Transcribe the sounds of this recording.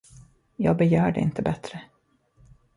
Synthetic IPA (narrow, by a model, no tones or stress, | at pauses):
jɑːɡ̚bɛjœːɖɛ̰ɪ̰nt̪ʰəbɛt̪ɾə